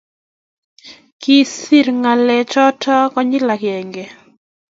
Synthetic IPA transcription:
ki˦si˦ɾŋa˨lɛ˨t͡ʃɔ˦tʰɔ˦kɔ˦ɲɪ˦la˨kjɛ˨ŋɡe˨

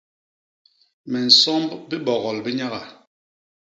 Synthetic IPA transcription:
mɛ˨n̩˨sɔ˦mbi˦bɔ˨ɣɔ˨lbi˦ɲa˦ɣa˨

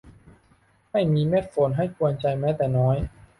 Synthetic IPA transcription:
ma˥˩jmiː˧meː˦˥˩t̪̚fo˨˩˦nɦa˥˩jku˧ənt͡ɕa˧jmɛː˦˥t̪ɛː˨˩nɔː˦˥j

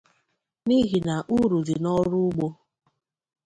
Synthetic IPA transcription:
ni˦ɦi˨na˨ʔu˦ɾu˨di˨nɔ˦ɾʊ˦ɡ͡bo˦

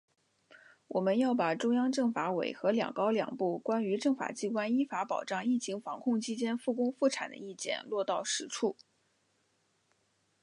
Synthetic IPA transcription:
wɔ˨˩mə˦njɑ˥˩ʊpa˨˩ʈ͡ʂʊ˥ŋjɑ˥ŋʈ͡ʂɤ˥˩ŋfa˧˥we˨˩ɪxɤ˧˥ljɑ̰˨˩ŋkɑ˥ʊljɑ̰˨˩ŋpu˥˩kwa˥ny˧˥ʈ͡ʂɤ˥˩ŋfa̰˨˩t͡ɕi˥kwa˥ni˥fa˧˥pɑ˨˩ʊʈ͡ʂɑ˥˧ŋi˥˩t͡ɕʰi˧˥ŋfɑ˧˥ŋkʰʊ˥˧ŋt͡ɕʰi˥t͡ɕjɛ˥nfu˥˩kʊ˥ŋfu˥˩ʈ͡ʂʰa̰˨˩nd̪ə̰˦i˥˩t͡ɕjɛ̰˥˩nlwɔ˥˧t̪ɑ˥˩ʊʂɻ̩˧˥ʈ͡ʂʰu˥˩

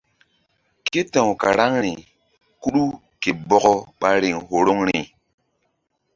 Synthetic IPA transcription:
ke˦tã˨wka̰˨ɾa˦ŋɾi˨ | ku˦ɗu˦ | ke˨bɔ˦kɔ˦ɓa˦ɾi˨ŋɦo˨ɾo˦ŋɾi˨

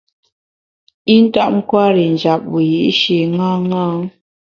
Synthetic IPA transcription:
i˦n̩˦ta˦ʔŋ̩˦kwa˦ɾi˨n˨d͡ʒa˨p̚wi˨ji˨ʔʃe˨ŋa˦ŋa˦ŋ

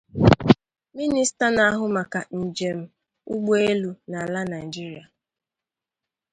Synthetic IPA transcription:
mi˦ni˦sta˦na˦ɦʊ˨ma˨ka˨n̩˨d͡ʒe˨m̩˦ | ʊ˦ɡ͡be˦lu˦na˨la˦na˨i˨d͡ʒi˦ɾi˨a˨

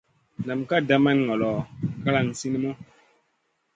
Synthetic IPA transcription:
na˨mka˦˨da˦ma˦n˨ŋɔ˨lɔ˨ka˦la˦˨ŋ̩˨si˦ni˦mɔ˦

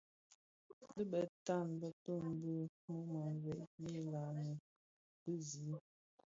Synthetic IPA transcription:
də˦bə˨ta˦˨nbə˦tə˦˨m˦bə˦ | mu˦mə˨vɛ˨ʔji˦la˨nə˨ | bə˦zi˨˦

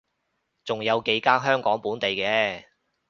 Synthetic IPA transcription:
t͡sʊ˨ŋjɐ˨˧wke˨˧jkaː˥nɦœː˥ŋkɔː˨˥ŋpuː˨˥nt̪e˨jkɛː˧

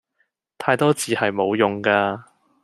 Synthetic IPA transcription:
t̪ʰaː˧jt̪ɔː˥t͡siː˨hɐ˨jmo˨˧wjʊ˨ŋkaː˧

